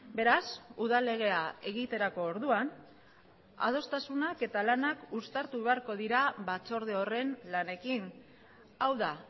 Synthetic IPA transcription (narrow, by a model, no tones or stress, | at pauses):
be̞ɾasuðale̞ɣ̞e̞ae̞ɣit̪e̞ɾako̞ːɾðuan | a̰ð̞o̞st̪asunake̞t̪alanakust̪aɾt̪uβe̞aɾko̞ð̞iɾaβat͡so̞ɾð̞eo̞re̞nlane̞kin | awða